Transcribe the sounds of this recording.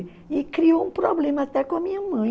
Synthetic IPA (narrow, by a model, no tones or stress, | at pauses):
ɪkɾiowũpɾɔblẽmɐat̪ɛkõɐmĩɲɐmɐ̃j̃